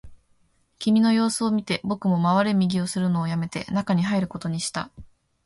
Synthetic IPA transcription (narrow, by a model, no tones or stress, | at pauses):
kʲimʲino̞jo̞ːsɨo̞mʲit̪e̞bo̞kɯ̟mo̞maβaɾemʲiɡʲio̞sɨɾɯ̟no̞ːjame̞t̪e̞̰nakaɲ̟iɦaiɾɯ̟ko̞t̪o̞ɲ̟iɕi̥t̪a̰